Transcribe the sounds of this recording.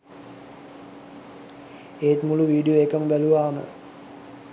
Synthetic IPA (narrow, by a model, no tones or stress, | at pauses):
eːt̪muluʋiːɖijoekəmbæluʋaːmə̰